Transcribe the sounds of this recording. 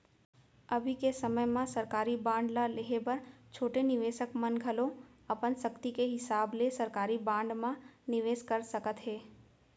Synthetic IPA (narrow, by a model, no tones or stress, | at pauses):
ɐbʱikesɐməjmãsɐɾkaːɾibãːɳɖlaleɦebɐɾt͡ʃʰoːʈenɪʋeːʃəkmɐnɡʱɐlõɐpənsəkt̪ikeɦɪsaːblesɐɾkaːɾibãːɳɖmãnɪʋeːʃkəɾsɐkət̪ɦɛː